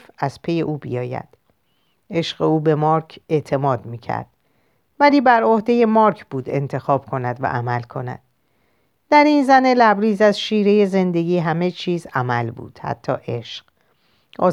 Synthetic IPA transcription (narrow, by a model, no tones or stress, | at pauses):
fæz̥pʰe̞je̞ʔuːbḭjɒːjæ̰d̪̥ | e̞ʃɢe̞uːbe̞mɒːɾcʰe̞ʔt̪ʰe̞mɒːd̪miːcʰæ̰ɾd̪̥ | væliːbæɾohd̪e̞je̞mɒːɾkʰb̥uːd̪e̞̰nt̪ʰe̞xɒːb̥̚kʰo̞næd̪væ̰ʔæmælkʰo̞næ̰d̪̥̚ː | æɾinzænelæbɾiːzæzʃiːɾeje̞ze̞nd̪e̞ɡiːɦæme̞t͡ʃʰiːzæmælbṵːd̪̥hæ̰t̪ʰːɒ̰ːʔe̞ʃɢ̥ | ʔɒ̰ː